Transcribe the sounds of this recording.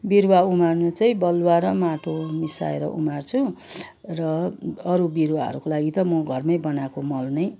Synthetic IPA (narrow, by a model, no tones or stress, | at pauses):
biɾwaumarnut͡sʌĩbʌlwaɾʌmaʈʰomisa̰ḛɾʌ̰ʔṵmart͡sʰu | rʌːɾubiɾwaɦʌ̰ɾukolaɡit̪ʌmʌɡʱʌrmʌjbʌnakomʌlnʌj